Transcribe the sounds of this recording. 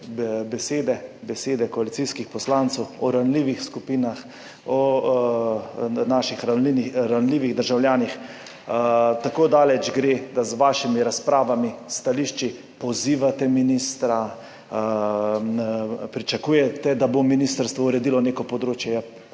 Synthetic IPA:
bɛseːd̪ɛbɛseːd̪ɛkɔalit̪siskixpɔslant̪sɛwɔɾanliʋixskupiːnax | ɔ | naʃixɾaniɾanliːʋiɣd̪əɾʒawljaːnix | t̪akoːd̪aːlɛd͡ʒɡɾeːd̪azʋaːʃimiɾaspɾaːʋamist̪aliːʃt͡ʃi | pɔziːʋat̪ɛminist̪ɾa | pɾit͡ʃakuːjɛt̪ɛd̪abominist̪əɾst̪ʋɔuɾɛd̪iːlɔneːkɔpɔd̪ɾoːt͡ʃjɛja

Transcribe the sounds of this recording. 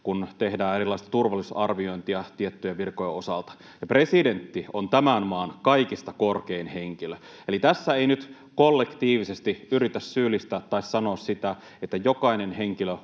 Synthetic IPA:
kunt̪ehdæːeɾilːˑɑˑist̪ɑ̥t̪urʋɑlːˑisɑrʋioint̪iɑt̪iet̪ːyjæʋirkojɑosɑlt̪ɑ̥ | jɑpresident̪ːiont̪æmænmɑːnkɑikist̪ɑkorkeːnheŋkilø | elit̪æsːæeinyt̪ | kolːekt̪iːʋisest̪iyrit̪æssyːlːˑist̪æːt̪ːɑissɑnoːssit̪æ | et̪ːæjokɑinenheŋkilø

